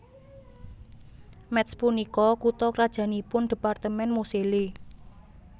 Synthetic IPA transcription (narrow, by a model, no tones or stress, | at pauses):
mɛt̪spunikɔkut̪ɔkɾad̥ʒ̥ä̤nipʊnd̪̥i̤part̪əmɛnmosele